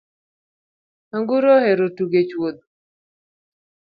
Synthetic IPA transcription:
aŋɡuɾohɛɾotuɡet͡ʃwod̪

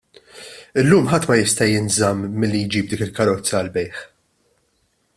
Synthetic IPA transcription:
ɪlːuːmħɐt̪ːmɐjɪst̪ɐjɪnzɐmːɪlːijd͡ʒiːb̚d̪iːkɪlkɐɾɔt͡sːɐːlbɛjħ

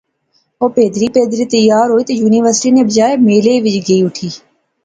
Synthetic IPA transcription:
oːpeːd̪ɾiːpeːd̪ɾiːt̪əjːaːɾɦoːiːt̪ejuːniːʋəɾsʈiːneːbəd͡ʒaːemeːleːʋɪd͡ʒɡəiːʊʈʰiː

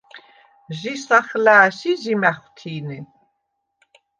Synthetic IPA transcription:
ʒisaχlæːsizimæχʷt̪ʰiːni

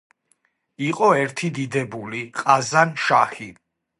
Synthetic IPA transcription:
iqʼɔɛɾt̪ʰid̪id̪ɛbuliqʼazanʃaxi

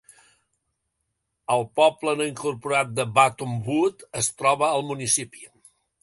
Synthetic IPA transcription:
əlˠpɔplənoiŋkuɾpuɾat̪̚d̪əbat̪umbut̪əst̪ɾɔβəːlˠmunisipi̥

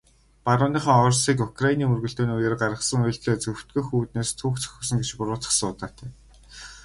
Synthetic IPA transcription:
paɾʊːniːχɔ̆ŋɔrsiːkukʰrainiːmɵrɣɵ̆ɮt̪eːnujĕːrɢaɾə̆sə̆ŋɵ̆ɬt̪ɮeːt͡sɵw̥t̪ɡŭjxuːt̪neːst̪ʰuːkt͡sʰɵ̥xɵ̆sə̆ŋɡet͡ɕpʊrʊːt͡sə̥̆sʊːt̪aːt̪ʰæː

